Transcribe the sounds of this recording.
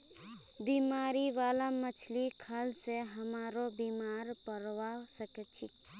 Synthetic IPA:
biːmaːɾiʋaːlamət͡ʃʰlikʰalseɦəmaːɾobiːmaːɾpəɾʋasəket͡ʃʰi

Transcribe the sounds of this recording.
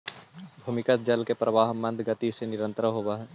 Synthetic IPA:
bʱumɪkət̪̚d͡ʒəlkepɾɐʋaːɦmɐ̃nd̪ʱɡət̪isenɪɾə̃nt̪ɾəɦoːbaːɦ

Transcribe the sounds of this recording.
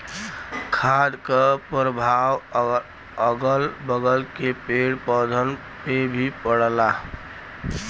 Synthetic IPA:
kʰad̪kəpɾəbʱaw | əɡəlbəɡəlkepeɽpəd̪ʱən | pebʱipəɽla

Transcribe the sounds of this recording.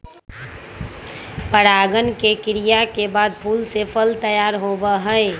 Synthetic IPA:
pəɽaːɡənkekɪɾijakebaːd̪̚pʰuːlsepʰəlt̪əjaːɾɦoːbəɦə

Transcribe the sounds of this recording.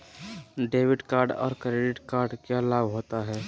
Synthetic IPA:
ɖeːʋɪɖkaːɾɖɔ̰ːɾkɾeːɖɪʈkaːɾɖkalaːbɦoːt̪aɦɛː

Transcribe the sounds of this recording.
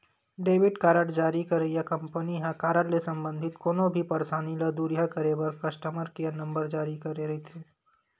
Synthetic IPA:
ɖeːʋɪɖkaːɾəɽd͡ʒaːɾikɐɾɐijakɐ̃mpəniɦãkaːɾəɽlesɐ̃mbə̃nd̪ʱɪt̪koːnõbʱipɐɾsaːnilɐd̪uːɾijakɐɾebɐɾkɐsʈəməɾkianɐ̃mbəɾd͡ʒaːɾikɐɾeɾɐɦit̪ʰeː

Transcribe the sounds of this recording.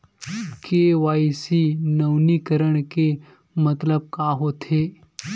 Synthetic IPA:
keʋaːisinəʋnikəɾəɽ̃ke | mɐt̪ləb̚kaːɦot̪ʰeː

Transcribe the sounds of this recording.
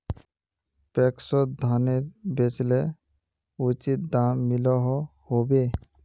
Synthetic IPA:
pɛksɔtd̪ʱaneɾbet͡ʃlɛ | ut͡ʃit̪̚d̪amːilɔɦɔhobe

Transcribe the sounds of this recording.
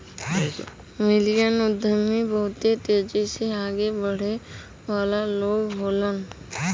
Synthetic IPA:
mɪlijənʊd̪ʱəmːibəɦʊt̪et̪eːd͡ʒiseaːɡebəɽ̤e | ʋaːlaloːɡɦoːlən

